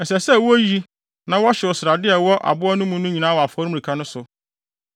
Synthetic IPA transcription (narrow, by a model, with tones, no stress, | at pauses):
ɛ˨sɛ˨sɛ˦˨wɔ˦ji˦ | nã˨˦wɔ˦ɕɛ˨ɔ˨sɾa˨dɪ˦ɛ˨wɔ˦ʔa̰˨bʊ˦ɔ˦nʊ̃˦mũ˦nʊ̃˦ɲi˨nãː˨˦wɔ˨a˨fɔ˨˦ɾm̃˦˨i˨kʰa˦nʊ̃˦sʊ˨